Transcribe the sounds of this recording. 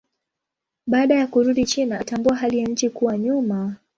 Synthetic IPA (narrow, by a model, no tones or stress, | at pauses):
ɓaːɗajakuɾuɗit͡ʃinaːtambuaɦalijaɲ̩t͡ʃikuwaɲuma